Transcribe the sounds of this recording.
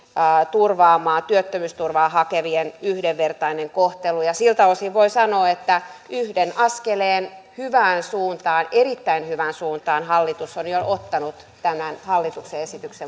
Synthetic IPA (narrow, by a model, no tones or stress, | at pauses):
t̪urʋɑːmɑːnt̪yøt̪ːømyːst̪urʋɑːhɑkeʋienyhdeʋʋert̪ɑineŋkoht̪elujɑsilt̪ɑʋosiʋʋoisɑnoːet̪ːæyhdenɑskeleːnhyʋæːnsuːnt̪ɑːnerit̪ːæinhyʋænsuːnt̪ɑːnhɑlːit̪usonjoʔot̪ːɑnut̪ | t̪æmænhɑlːit̪ukseesit̪ykse